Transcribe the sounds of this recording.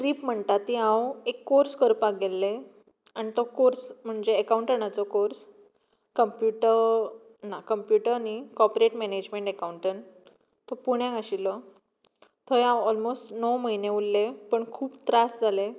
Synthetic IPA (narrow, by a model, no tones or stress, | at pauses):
ɾiːpm̤əɳt̪at̪iãwekːoɾskəɾpakɡelːe | añit̪ɔkoɾsm̤əɳd͡zd͡ʑeəkawuɳʈənat͡sɔkoɾs | kəmpjuʈəɾ | nakəmpjuʈəɾnikɔpɾeʈmɛned͡ʑmẽɳʈekawɳʈən | t̪ɔpuɽ̃jãaɕilɔ | t̪ʰɔjãwɔlmosʈnɔməɦineullːepəɳkʰuːpt̪ɾasd͡zʱale